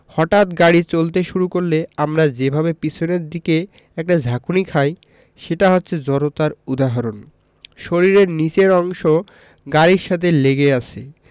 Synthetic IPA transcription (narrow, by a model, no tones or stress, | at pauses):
hɔʈat̪ɡaɽit͡ɕolt̪eʃuɾukoɾleamɾad͡ʑebʱabepit͡ɕʰoneɾd̪ike | ɛk̚ʈad͡ʑʱakunikʰaj | ʃeʈaɦotːɕʰed͡ʑɔɾot̪aɾud̪aɦaɾon | ʃoɾiɾeɾnit͡ɕeɾɔŋʃo | ɡaɾiɾʃat̪ʰeleɡeat͡ɕʰi